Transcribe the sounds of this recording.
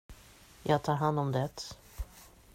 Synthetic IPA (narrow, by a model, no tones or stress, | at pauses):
jɑːɡ̚t̪ʰɑːɾɦand̪ɔmd̪ɛt̪